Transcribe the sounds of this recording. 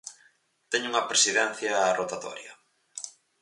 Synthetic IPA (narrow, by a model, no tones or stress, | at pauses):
t̪ɛɲʊuŋɐpɾesiðɛn̟θjɐːrot̪at̪ɔ̰ɾjɐ̰